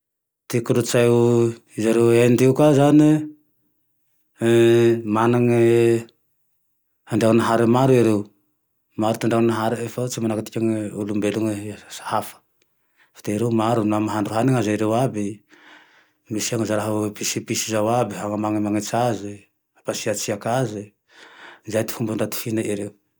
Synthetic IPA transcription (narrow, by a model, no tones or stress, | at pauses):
t̪ikuɾut͡ʃaju | zaɾeend̪iukazane | manaŋe | handiaŋnaɦaɾemaɾueɾew | maɾut̪andaŋnaɦaɾeefat͡ʃimanaket̪ikaŋeulumbeluŋesḁhafḁ | fḁt̪eiɾewmaɾunamaɦaɳɖ͡ʐuɦaniŋazaiɾewabi | misiaŋizaɾaɦpisipisizawabiɦaŋamaŋimaŋet͡sazi | apasiat͡siakazi | zajt̪i̥fumbuɳɖ͡ʐat̪i̥finaʔiɾew